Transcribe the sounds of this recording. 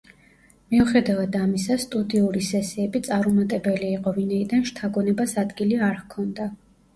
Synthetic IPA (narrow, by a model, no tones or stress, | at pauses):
miuχɛd̪avad̪amisast̪ʼud̪iuɾisɛsiɛbit̪sʼaɾumat̪ʼɛbɛliːqʼɔvinaid̪anʃt̪ʰaɡɔnɛbasad̪ɡiliaɾkʰɔnd̪a